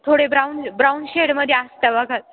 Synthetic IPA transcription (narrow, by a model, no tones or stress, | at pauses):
t̪ʰoɽebɾawnbɾawnɕeɽməd̪ʱjeast̪aʋaɡʱat̪